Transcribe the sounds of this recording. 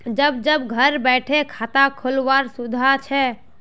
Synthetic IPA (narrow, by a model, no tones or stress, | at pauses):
d͡ʒəbd͡ʒəbɡʱəɾbɛʈʰekʰat̪akʰolʋaɾsud̪ʱat͡ʃʰɛ